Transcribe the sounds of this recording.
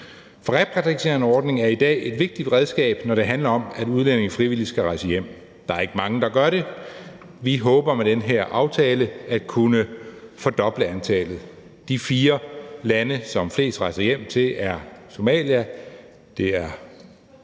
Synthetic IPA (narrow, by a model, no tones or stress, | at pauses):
fɒʁɛpʰʁɛisʰe̝ɐnəɒːd̥ne̝ŋæɐid̥ɛ̰ːe̝d̥ʋe̝ɡ̥̚d̥id̥ʁɛð̞ˠsɡ̥ɛ̰ːb̥nɒɾ̥e̝ɦænlɐɒ̽mæduð̞ˠlene̝ŋ̩fʁiʋil̰isɡ̥æʁɑ̈ɪsəjem̰ | d̥ɑ̈æɐe̝ɡ̥əmɑ̈ŋəd̥ɑ̈ɡ̥ɶɐɾe̝ | ʋiɦɔ̽ːb̥ɐmed̥enɦeɐ̰ʔɑ̈ʊt͡sʰɛːləæd̥kʰunəfɒ̽d̥ɒ̽b̥ləænt͡sʰɛ̰ːlð̞̩ˠ | d̥ifiːɐlænəsɒ̽mfle̝̰ːsd̥ʁɑ̈ɪsɐjem̰t͡sʰe̝læɐso̝mɛ̰ːljæ | d̥e̝æɐ